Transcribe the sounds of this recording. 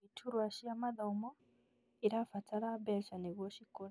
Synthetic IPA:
itʰuɾwaʃijamaðaumɔ | iɾafatʰaɾabɛlʃaniβɔʃikɔɾ

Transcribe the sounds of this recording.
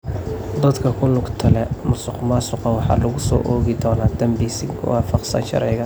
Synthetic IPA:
d̪ɐd̪kʰɐkʰʊlʊɡt̪ʰɐlɛmʊsʊqmasʊqɐwɑħɑ̰ːlɐɣʊsɔ̰ːʔɔːɣɪd̪ɔːnaːd̪̥ɐmbisɪŋ̰ʰwɑ̰ːfɑqsɐ̰nʃɐ̰ɾɛjɣɐ

